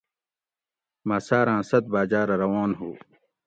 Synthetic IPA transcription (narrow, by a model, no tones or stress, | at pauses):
maːsaːɾãːsɐt̪̚baːd͡ʑaːɾɐɾɐwaːnɦuː